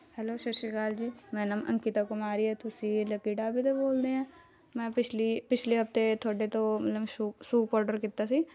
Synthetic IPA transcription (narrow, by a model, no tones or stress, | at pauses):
hɛloːʃɐɾʃɪkaːld͡ʒiːmɛ̃ːnəmɐ̰̃ŋkit̪akomaːɾiɦɛt̪ʰʊsilɐkiːʈaːbʱit̪oboːld̪eɦɛ̃ː | mɛ̃ːpɪt͡ʃlipɪt͡ʃʰleɦɐft̪et̪ʰoːɽet̪omɐt̪ləbʃuʃuːpɔːɾɖəɾkɪt̪ːasi